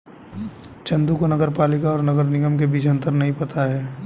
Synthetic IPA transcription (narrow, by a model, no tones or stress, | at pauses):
t͡ʃɐ̃nd̪ukonɐɡəɾpaːlɪkaɔːɾnɐɡəɾnɪɡəmkebiːt͡ʃɐ̃nt̪əɾnɐɦĩpɐt̪aɦɛː